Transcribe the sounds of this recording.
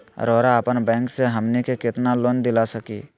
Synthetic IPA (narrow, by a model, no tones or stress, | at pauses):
ɾoːɾaəpənbɛ̃ːŋkseɦɐmnikekɪt̪naloːnd̪ɪlasəki